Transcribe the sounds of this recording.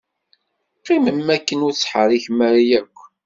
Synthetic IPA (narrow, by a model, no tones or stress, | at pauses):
qːiməmːækːənʊɾt͡sːħəɾiçmæɾijækʷː